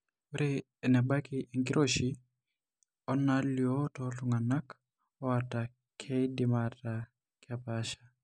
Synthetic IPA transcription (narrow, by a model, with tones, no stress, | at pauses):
u˦ɾe | ɛ˨nɛ˨ba˦kiʔi˨ŋɡi˦ɾʔo˦ʃi˦ | ɔ˦naljo˦tɔlʊŋa˨na˦k | ɔ˦ata˨ | kʰɛ˦idɪmata | kɪapaʃḁ